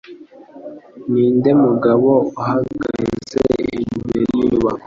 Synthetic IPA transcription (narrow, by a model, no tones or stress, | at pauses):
niːndemuɡaβouɦaɡazḛiɲbḛɾiwa